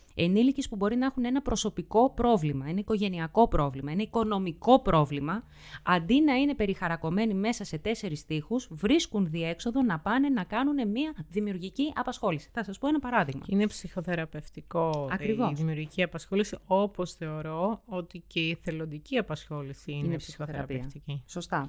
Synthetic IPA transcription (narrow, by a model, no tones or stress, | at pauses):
e̞nilicispubo̞ɾinɐexune̞nɐpɾo̞so̞piko̞pɾo̞vlimɐenɐiko̞ʝe̞niɐko̞pɾo̞vlimɐe̞nɐiko̞no̞miko̞pɾo̞vlimɐ | ɐnd̪inɐine̞pe̞ɾixɐɾɐko̞me̞nime̞sɐse̞t̪e̞se̞ɾist̪ixuzvɾiskunðie̞kso̞ðo̞nɐpɐne̞nɐkɐnune̞miɐðimiuɾʝiciʔɐpɐsxo̞lisi̥θɐsɐspo̞enɐpɐɾɐðiɣmɐ̰inepsixo̞θe̞ɾɐpe̞ft̪iko̞ɐkɾivo̞sðimiuɾʝiciɐpɐsxo̞lisio̞po̞sθe̞o̞ɾo̞ot̪ice̞iθe̞lond̪iciɐpɐsxo̞lisiiinesioθeɾɐɐpieɐft̪iciso̞st̪ɐ